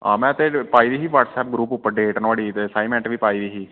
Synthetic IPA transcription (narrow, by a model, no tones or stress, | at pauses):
a̰ːmɛ̃ːt̪eːpaːiːd̪iːɦiːʋaːʈsɛːp̚ɡɾuːpʊpːəɖeːʈənʋaːɽiːt̪ːsaːimɛ̃ːɳʈʋiːpaːiːd̪iːɦiː